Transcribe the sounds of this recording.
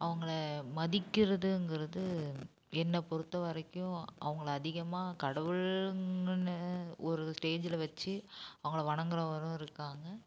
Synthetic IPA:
ʔɐʋɐŋɡɐɭɐmɐðɪkːɪɾɐðɯɛŋɡɪɾɐðɯ | ɛnːɐpɔɾɯt̪ːɐʋɐɾɐkːʊ̃ʔɐ̰ʋɐŋɡɐɭɐðɪɣɐmaːkɐɽɐʋɯɭŋɡnɐɔɾɯsʈeːd͡ʒɪlɐʋɐt͡ʃːɯɐʋɐŋɡɐɭɐʋɐɳɐŋɡɯɾɐ̃ʋɐɾʊ̃ɪɾɯkːaːŋɡɐ

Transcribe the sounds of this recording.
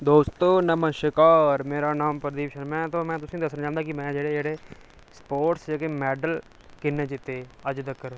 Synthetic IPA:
d̪oːst̪oːnəməʃɪkaːɾmeːɾaːnaːmpəɾd̪iːʋɪʃənmɛ̃ːt̪õːmɛ̃ːt̪ʊsĩːd̪əsnad͡ʒãːnd̪aːkɪmɛ̃ːd͡ʒeːɽeːd͡ʒeːɽeː | spoːʈsd͡ʒeːkeːmɛːɖəl | kɪnːeːd͡ʒɪt̪ːeːəd͡ʒd̪əkːəɾ

